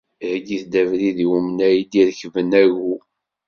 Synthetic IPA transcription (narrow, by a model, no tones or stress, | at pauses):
ɡiθd̪ævɾiðiwumənæjid̪iɾçvənæʝu